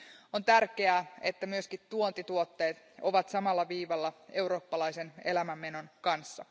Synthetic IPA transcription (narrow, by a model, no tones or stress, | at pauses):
ont̪ærkeæːe̞t̪ːæmyøskit̪t̪uont̪it̪uot̪ːe̞ːt̪ | o̞ʋɑt̪sɑmɑlːɑʋiːʋɑlːɑe̞wɾo̞ːpːɑlɑjse̞ne̞læmæmːeno̞nkɑnsːɑ̰